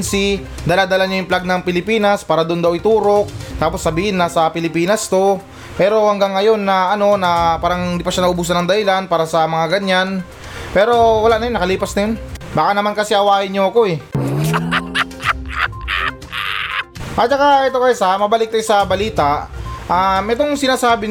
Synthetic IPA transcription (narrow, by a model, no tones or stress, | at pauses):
nsi | d̪ɐːlad̪ɐlaɲojʊŋplaɡ̚nɐŋpɪlɪpiːnɐspaːɾɐd̪ond̪ɐwɪt̪uːɾo̞k̚t̪aːpo̞sːɐbiːhɪnːɐsɐpɪlɪpiːnɐst̪o̞ | pɛːɾo̞hɐŋɡaŋːɐjo̞nːɐɐno̞nɐpaːɾɐŋɪnd̪ipɐʃanɐʔʊbuːs̬ɐnɐŋd̪ɐhɪlanpaːɾɐsɐmɐŋaɡɐɲːan | pɛːɾo̞wɐlaʔnɐjonːɐkɐliːpɐsnɐjonbaːkɐnɐmankɐsɛʔɐwaːhɪɲɲoɐko̞ɛ | ʔɐt͡ʃɐkaʔɛt̪okɐsjsamɐbɐlɪk̚t̪ɐjosɐbɐliːt̪aʔʔamʔɛt̪o̞ŋsɪnaːsaːbɪ